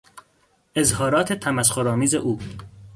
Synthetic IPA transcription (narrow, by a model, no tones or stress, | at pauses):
ʔezhɒːɾɒːt̪ʰet̪ʰæmæsxoɾɒːmiːzḛʔuː